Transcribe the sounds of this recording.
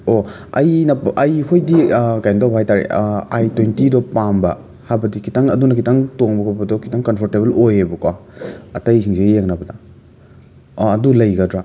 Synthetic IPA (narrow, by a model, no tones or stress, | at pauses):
o | ɐjnɐʔɐjkʰojdikajndɔbhajtaɾḛajtwentidɔpambɐ | habɐdikʰitaŋɐdunɐkʰitaŋtoŋbɐkʰabɐdɔkʰi̥taŋkɐnpʰɔɾtebelojebɐkwaɐtɐjsʰiŋsejeŋnɐbɐdɐ | ɐdulɐjɡɐdɾa